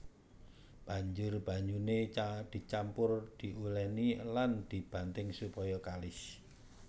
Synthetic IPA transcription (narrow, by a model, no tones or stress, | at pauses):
b̥ä̤ɲd͡ʒʊrb̥ä̤ɲd͡ʒuned̪̥i̤t͡ʃampʊrd̪̥i̤ʔulɛniland̪̥i̤b̥a̤nt̪ɪŋsupɔjɔkalɪs